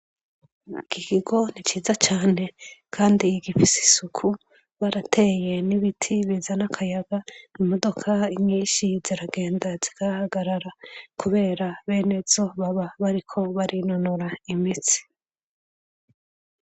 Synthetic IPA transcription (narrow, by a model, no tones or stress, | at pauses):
ikʰikiɡo̞nit͡ʃiːzat͡ʃaːne̞kʰaːndiɡifisi̥sukʰu | βaɾatʰe̞je̞niβitʰiβizanakʰajaɡaimodo̞kʰaiɲiːʃiziɾaɡe̞ːndaz̥iɡ̥ahaɡaɾaɾakuβe̞ːɾaβe̞ːne̞z̥o̞βaβaβaɾikʰo̞βaɾinonoɾaimit͡si̥